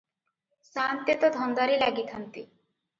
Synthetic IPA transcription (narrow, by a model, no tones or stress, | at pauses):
sant̪jet̪ɔd̪ʱɔnd̪aɾilaɡit̪ʰant̪i